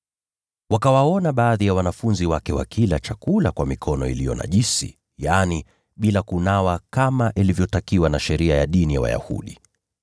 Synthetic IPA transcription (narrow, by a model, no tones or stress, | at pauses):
wakawaɔnaɓaːðijawanafunziwakɛwa̰kʰilat͡ʃakulakwamikʰɔnɔḭlijɔna̰ʄisḭ | jani | ɓilakunawakamaʔilivjɔtakiwanaʃɛɾiajaɗinijawa̰ja̰hṵɗi